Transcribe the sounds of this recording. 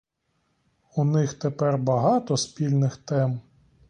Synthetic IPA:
unɪxt̪epɛrbɐɦɑt̪ɔspʲilʲnɪxt̪ɛm

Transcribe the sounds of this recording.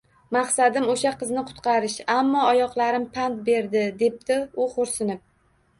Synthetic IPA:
mɑχsad̪ɪmoʃaqʰɨznɪqʰʊ̥t̪qʰɑɾɪʃamːɒːjɒqlˠaɾɪmpʰant̪̚be̞ɾd̪ɪd̪e̞p̚d̪ɪʊχoɾsɪnɪp̚

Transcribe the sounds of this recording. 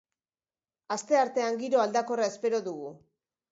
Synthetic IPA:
ast̪e̞aɾt̪e̞aŋɡiɾo̞ald̪ako̞rae̞spe̞ɾo̞ðuɣu

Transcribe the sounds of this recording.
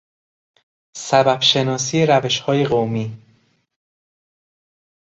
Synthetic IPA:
sæbæbʃe̞nɒːsiːjeɾæve̞ʃhɒːje̞ɣowmiː

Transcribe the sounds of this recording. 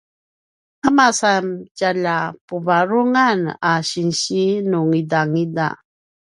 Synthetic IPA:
kamasamɟaʎapuvaɾuŋanaɕinɕinuŋidaŋida̰

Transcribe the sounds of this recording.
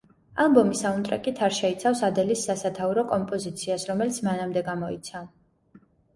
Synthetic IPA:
alˠbɔmisaunt̪ʼɾɛkʼit̪ʰaɾʃɛit̪sʰafsad̪ɛlisːasat̪ʰauɾɔkʼɔmpʼɔzit̪sʰiasɾɔmɛlit̪sʰmanamd̪ɛɡamɔḭt̪sʰav

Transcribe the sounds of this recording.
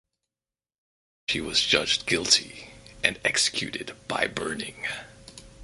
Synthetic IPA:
ʃiwʌzd͡ʒʌd͡ʒɡɪlˠtʰḭʔɨ̃nɛksɨ̥kʰj̥ʉ̰ɾɨd̚b̥a̰ɪbɜ˞nɪ̰̃ŋ

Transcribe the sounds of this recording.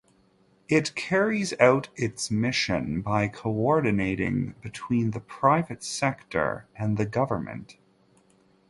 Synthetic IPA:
ɪtkʰɛɹizaʊɾɪtsmɪʃɨ̰̃nbaɪkʰoʊɔɹdⁿn̩eɪɾɪ̰̃ŋbɨtʰw̥ĩnðɨpʰɹ̥aɪvɨtsɛktʰə̰˞ɨ̃nðɨɡʌvə˞mɨ̰̃nt

